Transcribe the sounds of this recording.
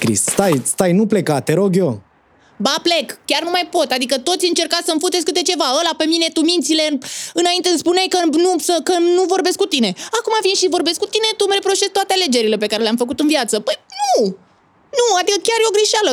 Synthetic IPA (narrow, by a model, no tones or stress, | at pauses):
kɾḭsst̪ajst̪ajnuple̞kat̪ːeɾo̞ɡʲo̞ | baple̞kkʲarnumajpo̞t̪ad̪ikət̪o̞t̪sʲɨnt͡ʃe̞rkasəmfut̪eskɨt̪e̞t͡ʃe̞vaəlape̞mine̞t̪umint̪sile̞ɨnaint̪eɨnspunajkənusəkənuvo̞rbe̞skut̪ine̞akumavinʃivo̞rbe̞skut̪ine̞t̪umɾe̞pɾo̞ʃe̞st̪oat̪eale̞d͡ʒe̞ɾile̞pe̞kaɾe̞leamfəkut̪ɨnviat̪səpəjnu | nuad̪ikəkʲarjeo̞ɡɾiʃalə